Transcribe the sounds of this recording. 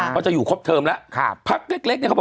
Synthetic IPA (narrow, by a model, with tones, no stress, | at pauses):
ɔː˧˩t͡ɕa˨˩juː˨˩kʰo˦˥p̚t̪ʰɤː˧mlɛ˦˥ʔkʰa˦˧˩pʰa˦˥k̚le˦˥k̚le˦˥ni˧˩kʰː